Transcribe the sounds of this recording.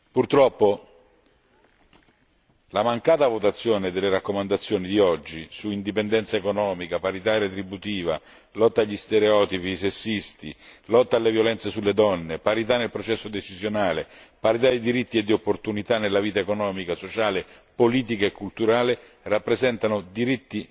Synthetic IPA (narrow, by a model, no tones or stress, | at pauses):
purt̪ɾɔpːo | lamaŋkaːt̪avot̪at̪sːjɔːnɪd̪elːeɾakːomand̪at̪sːjɔːnid̪iɔd͡ʒːisuind̪ipɛnd̪ɛnt̪saekonɔːmikapaɾit̪aret̪ɾibːut̪iːva̰ | lɔt̪ːaʎːist̪eɾeɔːt̪ipiːsesːist̪ḭlɔt̪ːalːevjolɛnt̪sesulːed̪ɔnːepaɾit̪̬anːelpɾɔt͡ʃɛsːod̪et͡ʃizjonaːle | paɾit̪ad̪id̪iɾit̪ːied̪ːiopːort̪unit̪anːelaviːt̪aekonɔːmikasot͡ʃaːle | poliːt̪̬ikaekːult̪uɾaːle | rapːɾezɛnt̪anʊd̪iɾit̪ːi